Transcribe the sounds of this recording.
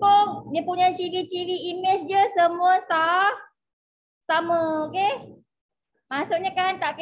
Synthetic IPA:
koŋdiəpuɲat͡ʃivit͡ʃiviːmɛt͡ʃd͡ʒəsəmuasa | saməoke | masuʔɲakant̪aʔk

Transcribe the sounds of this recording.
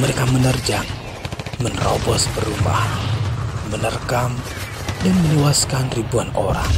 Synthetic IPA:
məɾekamənərd͡ʒaŋ | mənrɔbɔspəruma̰n | mənərkam | dənməniwaskanribuanoɾa̰ŋ

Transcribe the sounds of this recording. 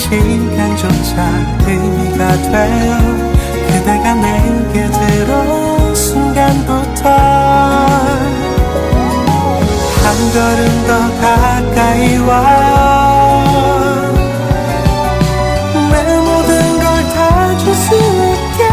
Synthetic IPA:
t͡ɕiinkand͡ʑont͡ɕa | tɯ | ɡadwe | kedeɡamenkedeɾo | suŋɡanbutʰʌ | hanɡʌɾɯndʌka | k͈aiwa | memodɯnɡʌɭtaad͡ʑusɯi | te

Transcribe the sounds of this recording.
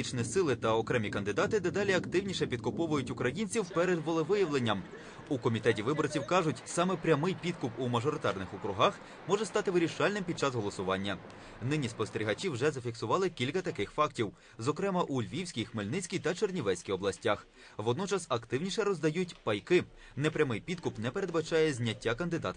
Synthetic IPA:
it͡ʃnʲisɪlˠɪt̪ɐɔkɾɛmʲikɐnd̪ɪd̪ɑt̪ɪd̪ɛd̪ɑlʲiɐkt̪ɪwnʲiʃɛpʲid̪̚kʊpɔʋʊjʊtʲʊkɾɐjinʲt͡sʲiwpɛɾed̪ʋɔlˠeʋɪjɐʋlˠenʲːɐm | ukɔmʲit̪ɛtʲiʋɪbɔrt͡sʲiwkɑʒʊtʲsɑmɛpɾʲɐmɪjpʲid̪kʊpumɐʒɔɾɪt̪ɑrnɪxʊkɾʊɦɑx | mɔʒɛst̪ɑt̪ɪʋɪɾʲiʃɑlʲnɪmpʲid̪̚t͡ʃɑsɦɔlˠɔsʊʋɑnʲːɐ | nɪnʲispɔst̪eɾʲiɦɐt͡ʃʲiwʒɛzɐfʲiksʊʋɑlˠɪkʲilʲkɐt̪ɐkɪxfɑktʲiw | zɔkɾɛmɐʔulʲʋʲiwsʲkʲijxmɪlʲnɪt͡sʲkʲijt̪ɐt͡ʃernʲiʋɛsʲkʲijɔblˠɐsʲtʲax | ʋɔd̪nɔt͡ʃɐsɐkt̪ɪwnʲiʃɛɾɔzd̪ɐjutʲpɐjkɪ | nɛpɾʲɐmɪjpʲid̪̚kʊpnɛpeɾed̪bɐt͡ʃɑjɛzʲnʲɐtʲːakɐnd̪ɪd̪ɑ̰t̪

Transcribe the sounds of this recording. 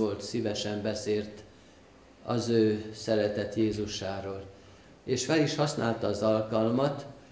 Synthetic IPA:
o̞lt̪sivɛʃɛmbɛseːlt̪ | ɒ̰zøːsɛɾɛt̪ɛt̪jeːzuʃaːɾoːl | eːʃfɛliʃhɒsnʔaːlt̪ɒːzɒlkɒlmɒt̪

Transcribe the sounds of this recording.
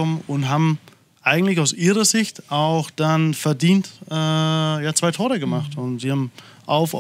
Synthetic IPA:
ɔmənʊntɦaːbm̩ | ʔaɪɡŋ̩tlɪçaʊsʔiːʁɐzɪçtʔaʊxd̥anfɛɐdiːntʔɛːjaːt͡sv̥aɪtʰoːʁəɡəmaχtʊntz̥iːhaːm̩ | ʔaʊf

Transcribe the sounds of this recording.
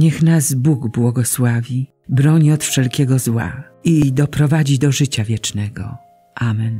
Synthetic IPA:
ɲɛxnazbuɡbwɔɡɔswavʲi | bɾɔɲiɔt̪fʂɛlkʲɛɡɔzwa̰ | id̪ɔpɾɔvad͡ʑid̪ɔʐɘt͡ɕavʲjɛt͡ʂnɛɡɔ̰ | ʔamɛn

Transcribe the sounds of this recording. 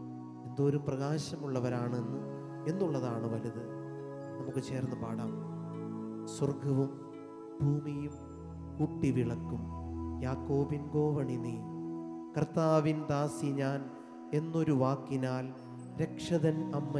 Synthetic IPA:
e̞nd̪o̞ːɾumprɐɣaːɕɐmuɭːɐʋɐɾaːɳenːu | e̞nːuɭːɐðaːɳɨʋɐluðɨ | nɐmukːɨt͡ɕe̞ːrnːɨpaːɽɐm | swɐrɡɐʋum | bʱuːmijum | kuʈːiʋiɭɐkːumjaːkːo̞ːbinɡo̞ːʋɐɳini | kɐrt̪ːaːʋind̪aːsiɲaːn | e̞nːo̞ɾuʋaːkːinaːl | ɾekʂɐðɐnɐmːɐ

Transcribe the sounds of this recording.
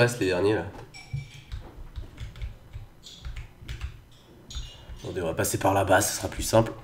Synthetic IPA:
ɛset̪ed̪ɛʁnjela | ɔ̃d̪əvʁapasepaʁlabasḁsχaplysɛ̃pl

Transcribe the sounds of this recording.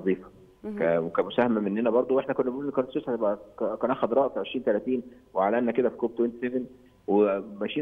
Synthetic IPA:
zˤiːfɑ | kæwekæmosæhæmæmenːenæbɑɾˤd̪ˤowʔeħnækonːæbeʔulʔenːkænet̪sesæt̪ebʔækkænʔæxæd̪ɾˤɑːʔfiʕeʃɾiːnt̪ælæt̪iːnweʕalʔænːæked̪æfi̥kob̚t̪went̪seven | wemæʃiː

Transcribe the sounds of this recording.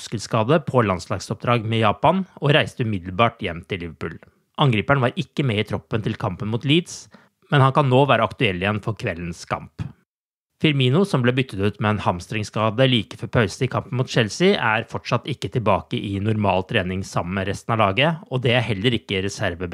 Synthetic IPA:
skəlskɑːd̪əpʰɔlɑnslɑːɡsɔp̚d̪ɾɑːɡmɛjɑːpɑnɔɾæɪst̪əʉmɪd̪ləɾbɑːʈjɛmːt̪ʰɪllɪʋəpʉ̰ːl | ʔɑŋɡɾiːpæɳʋɑɾɪkːəmɛɪt̪ʰɾɔpːənt̪ʰɪlkʰɑmpənmuːt̪liːd̪s | mɛnhɑnkɑnːoːʋæːɾəɑkt̪ʉɛlːɪjɛnfɔɾkʰʋɛlːənskʰɑ̰mp | fɪɾmiːnʊsɔmblɛbʏt̪ːət̪ʉːt̪mɛɛːnhɑmst̪ɾɪŋskɑːd̪əliːkə̥fɔɾpʰɑʉsəɪkʰɑmpənmuːt̪t͡ʃɛlsɪæɾfɔʈʂɑt̪ːɪkːət̪ʰɪlbɑːkəʔɪnʊɾmɑːlt̪ʰɾeːnɪŋsɑmːəməɾɛst̪nɑlɑːɡəɔd̪ɛæɾhɛlːəɾɪkːəɾɛsæɾʋə

